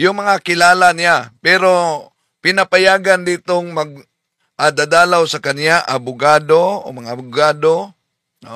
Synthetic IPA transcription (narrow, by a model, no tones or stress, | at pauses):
jʊŋmɐŋakɪlaːlanɪjapɛɾo | pɪnɐpajaːɡand̪iːt̪oŋmɐɡ̚ | ʔad̪ad̪aːlawsɐkɐnjaʔabʊɡaːd̪oo̰mɐŋaʔːbʊɡaːd̪o | o